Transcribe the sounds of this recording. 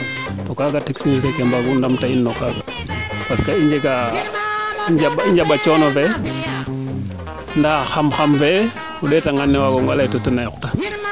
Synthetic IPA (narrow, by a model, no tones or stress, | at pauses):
tokakateksnisekembaɡundamtainːokakḁ | paskaiɲd͡ʒeka | id͡ʒaɓaiɲd͡ʒaɓat͡ʃonove | ndaxamxamve | uɗetaŋanːewakoŋɡalajtotənajokta